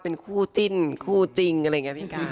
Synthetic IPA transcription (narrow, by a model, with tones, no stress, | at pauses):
pe˧nkʰuː˥˩t͡ɕi˧˥˩nkʰuː˥˩t͡ɕi˧ŋa˧a˧˨˩ŋi˦˥pʰiː˧˩ka˧˩˧